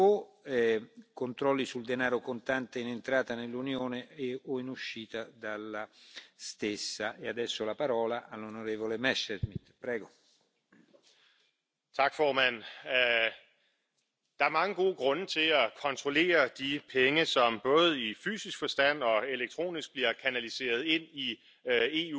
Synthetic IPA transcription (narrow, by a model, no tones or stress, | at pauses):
o | kont̪ɾɔlːisuld̪enaːɾokont̪ant̪einent̪ɾaːt̪anelːunjoːneeoinuʃːiːt̪ad̪alːast̪esːaʔead̪ɛsːolapaɾɔːlaʔalːonoɾeːvolemɛʃezmid̪̥pɾɛːɡo | t͡sʰɑ̈ɡ̥fɒːmæn̰ | d̥ɑ̈æɐmɑ̈ŋəɡ̥o̝ːɡ̥ʁɔ̽nət͡sʰe̝lækʰɒ̽nt͡sʰʁole̝̰ːɐd̥ipʰeŋəsɒ̽mb̥ɔ̽ːð̞̩ˠify̰ːsisɡ̥fɒ̽sd̥æn̰ɒ̽eleɡ̥̚t͡sʰʁo̝̰ːnisɡ̥̚b̥liɐkʰænælise̝̰ːɐð̞ˠe̝n̰i | e̝u